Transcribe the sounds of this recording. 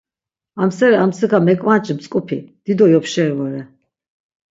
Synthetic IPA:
amsɛɾɛamsɛɣamɛkʼmant͡ʃʼmsʼkʼupʰḭd̪̥id̪ɔjɔpʃɛvɔɾɛ

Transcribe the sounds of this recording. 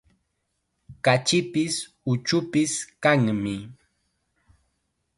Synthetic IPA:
kat͡ʃɪpɪs | ʊt͡ʃʊpɪskaŋmɪ

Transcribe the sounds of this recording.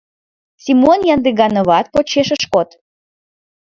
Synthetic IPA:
sʲimonjɑnd̪eɣɡɑnoβɑt̪̚pot͡ɕeʃəʃkot̪

